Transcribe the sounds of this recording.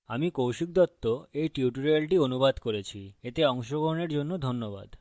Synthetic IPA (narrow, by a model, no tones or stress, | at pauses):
amikowʃik̚d̪ɔt̪ːoejʈiuʈuɾelʈionubad̪koɾet͡ɕʰiet̪eɔŋʃoɡʱoɾoneɾd͡ʑonːod̪ʱonːoba̰d̪